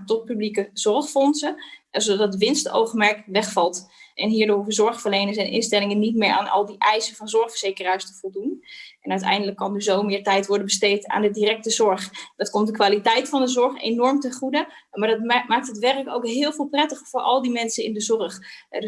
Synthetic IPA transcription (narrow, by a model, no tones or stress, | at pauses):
tɔt̚pyblikəz̥ɔɹχfɔnsəzodtʋɪnsto̰wχəmɛɹkʋɛχfɑlˠtʔɛnɦiːɹdʊːɹvəzɔɹχfəɹlejnəsɛjnʔɪ̰nstɛlɪŋənitmɪːɹa̰ːnʔɑ̰lˠdiʔɛjsənvɑnzɔɹχfəɹz̥ejkərɦɛjstəvɔlˠdunʔɛnœɥtɛ̰jndələkːɑndyzowmɪːɹtɛjtʋɔɹdənbəstejta̰ːndədirɛk̚təzɔɹχdɑtkɔmt̚dəkʋaːlitɛjtfɑndəzɔɹχḛjnɔɹmtɛχudə | maːɹdɑtmaːk̚tɦətʋɛrko̰wkɦɪːlˠvɪːlˠprɛtəχəfʊːɹɑ̰lˠdimɛnsənɪ̰ndəzɔrχ